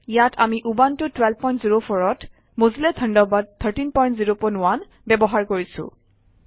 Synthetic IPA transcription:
ijatʰamiʔubantʊtwɛlb̚pɔj̃ntziɹopʰɔɹɔt | mozilɛd̪ʰʱɔndɔbad̚t̪ʰːəɹtinpɔjntziɹopɔnʊwan | bɛbɔɦaɹkoɹisʊ̰̃

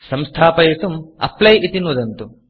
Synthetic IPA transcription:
sɐmst̪ʰaːpɐjisumɐ̰plɐjʔit̪inud̪ɐnt̪u

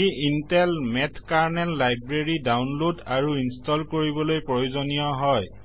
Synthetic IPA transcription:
iintɛlmɛtʰkaɹnɛlːajbɹeɹidawnlodaɹuinstɔlkoɹibɔlojpɹojozonijɔɦɔj

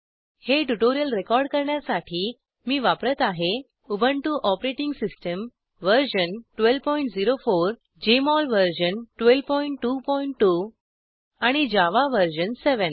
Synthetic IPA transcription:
heʈuʈoɾijəlɾekɔɾɖkəɾɳjasaʈʰiː | miːʋapɾət̪aɦe | ubʱəɳʈuʔɔpɾeʈiŋɡsisʈəm | ʋəɾɕənʈʋelʋpɔiɳʈd͡ziɾofoɾ | d͡ʑemɔlʋəɾɕənʈʋelʋpɔiɳʈːupɔiɳʈːu | aɽ̃id͡ʑaʋaʋəɾɕənseʋən

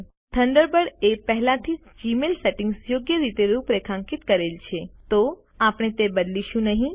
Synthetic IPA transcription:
t̪ʰəɳɖəɾbəɽepɛɦlãt̪ʰid͡ʒd͡ʒimelseʈĩŋɡsjoɡjəɾit̪eɾũpɾekʰãŋkit̪kəɾelt͡ʃʰet̪o | apɽ̃et̪ebəd̪liʃũnəɦĩ

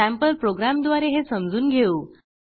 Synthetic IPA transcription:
æ̃mpəlpɾoɡɾamd̪ʋaɾeɦesəmd͡zuːnɡʱeuː

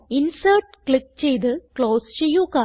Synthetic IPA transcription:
insɐːʈkɭik̚ːt͡ɕejt̪̬ɨkɭoːst͡ɕejːuːkaː

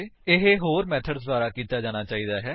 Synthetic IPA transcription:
ɪɦeɦoːɾmɛːt̪ʰəɖsd̪aːɾaːkiːt̪aːd͡ʒaːɽ̃aːt͡ʃaːiːd̪aːɦɛː

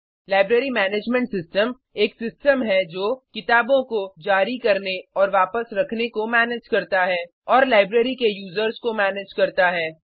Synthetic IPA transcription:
laːɪbɾeːɾimɛːneːd͡ʒmɛ̃ɳʈsɪsʈəm | eːksɪsʈəmɦɛd͡ʒoːkɪt̪aːbõkod͡ʒaːɾikɐɾneɔːɾʋaːpəsɾɐkʰnekomɛːned͡ʒkɐɾt̪aɦɛː | ɔːɾlaːɪbɾeːɾikejuːzəɾzkomɛːneːd͡ʒkɐɾt̪aɦɛː

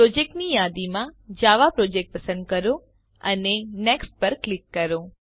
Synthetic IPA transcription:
pɾod͡ʒek̚ʈnijad̪imãd͡ʒaʋapɾod͡ʒek̚ʈ̚pəsə̃nd̪̚kəɾõ | əneneksʈ̚pəɾklikːəɾõ

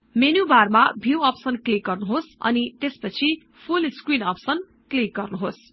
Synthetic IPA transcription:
menubarmabʱjuwʌpsʌnklik̚ɡʌrnuɦosʌ̰nit̪espʌt͡sʰi | pʰulskwinʌpsʌn | klik̚ɡʌrnuɦos

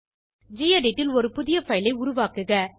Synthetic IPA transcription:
d͡ʒijɐɖɪʈːɪlɔɾɯpʊðɪjɐfɐɪlɐɪʊɾʊʋaːkɯɣɐ

